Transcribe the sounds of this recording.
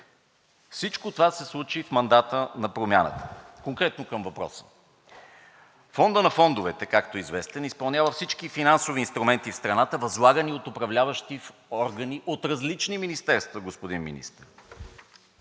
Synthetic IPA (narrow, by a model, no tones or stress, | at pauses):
fsit͡ʃkot̪ovasɛslˠut͡ʃifmɐnd̪at̪ənɐpɾomʲjanə̰t̪ə̥koŋkɾɛt̪nokəmvɐpɾɔ̰sə̥ | fɔnd̪ənɐfɔnd̪ʊvɛt̪ɛkakt̪oizvɛst̪ɛnispɐlˠnʲavəfsit͡ʃkifinansoviːnst̪ɾumɛnt̪ifst̪ɾɐnat̪əvɐzlˠaɡəniot̪ʊpɾɐvlʲavəʃt̪ifɔɾɡəniʔot̪ɾɐzlit͡ʃniminist̪ɛɾst̪vəɡospod̪inmḭnḭst̪əɾ